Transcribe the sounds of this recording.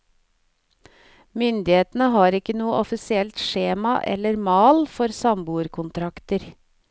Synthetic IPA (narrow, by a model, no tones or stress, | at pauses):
mʏnd̪ɪheːt̪n̩əɦɑːɾɪkːənuːəʔɔfɪsɪɛlt̪ʂeːmɑʔɛ̰lːəɾmɑːlfɔɾsɑmbuːɾkʰʊnt̪ʰɾɑkt̪əɾ